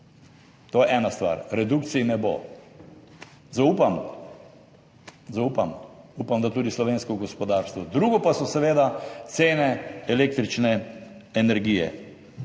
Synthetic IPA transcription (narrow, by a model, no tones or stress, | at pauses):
t̪oːjɛʔɛnast̪ʋa̰ɾɾɛd̪ukt̪sinɛbo̰ | zauːpam | zaupamuːpamd̪at̪uːd̪islɔʋeːnskɔɡɔspɔd̪aɾst̪ʋɔd̪ɾuɡɔpasɔsɛʋeːd̪at̪seːnɛɛleːk̚t̪ɾit͡ʃnɛɛnɛɾɡiːjɛ̰